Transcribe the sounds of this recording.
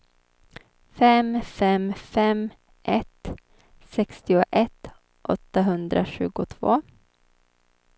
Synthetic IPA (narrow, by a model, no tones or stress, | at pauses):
fɛmfɛmfɛm | ʔɛt̪ | sɛkst̪ɪʊʔɛt̪ | ʔɔt̪ːaɦɵnd̪ɾʔa̰ɕʉ̟ːɡʊt̪ʰvo̰ː